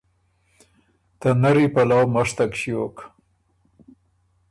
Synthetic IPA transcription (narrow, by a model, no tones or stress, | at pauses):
t̪anaɾipalawmaʂt̪akʃjok